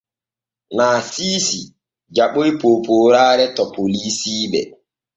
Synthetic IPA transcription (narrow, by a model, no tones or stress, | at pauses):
naːsiːsi | d͡ʒaɓojpoːpoːɾaːɾɛtɔpolisiːɓɛ̰